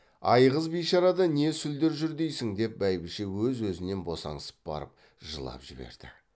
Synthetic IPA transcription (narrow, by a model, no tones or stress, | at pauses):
ɑjʁəzbijʃɑɾɑd̪ɑne̞sʏld̪e̞ɾʒʏɾd̪e̞jsɪŋd̪e̞p̚bæjbɪʃe̞wɵzwɵzɪne̞nbo̞sɑ̰ɴəsə̥p̚bɑ̰ɾə̰p̚ | ʒəlˠɑ̰pʒɪbe̞̰ɾd̪̥ɪ